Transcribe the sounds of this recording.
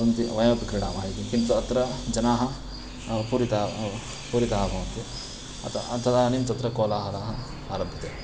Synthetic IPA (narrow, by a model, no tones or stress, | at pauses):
ɐnt̪iʋɐjmɐt̪kɾiɽaːmaːɦit̪ikint̪uɐt̪ɾɐd͡ʒɐnaːɦɐ | puɾit̪a | puɾit̪ɐɦɐbɐːnt̪i | ɐ̰t̪t̪ɐd̪aːnimt̪ɐt̪ɾɐkoːlaːɦɐlaːɦɐ | aːɾɐbʱɐt̪eː